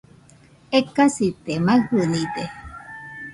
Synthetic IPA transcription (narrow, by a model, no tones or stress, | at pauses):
ekasit̪emaɡhɨnit̪e